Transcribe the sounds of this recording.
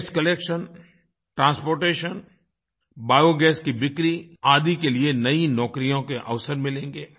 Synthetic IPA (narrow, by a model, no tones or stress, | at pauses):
skɐleːkʃən | ʈɾãːnspoːɾʈeːʃən | baːjoɡɛːskibɪkɾiaːd̪ikelienɐinɔːkɾijõkeʔɐʋsəɾmɪlẽːŋɡeː